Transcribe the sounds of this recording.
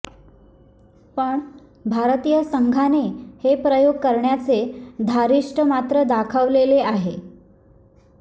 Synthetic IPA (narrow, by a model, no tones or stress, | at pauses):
pəɳ | bʱaɾt̪ijəsəŋɡʱanehepɾəjoɡ̚kəɾɳjat͡sed̪ʱaɾiʂʈʰəmat̪ɾəd̪akʰəʋleleaɦe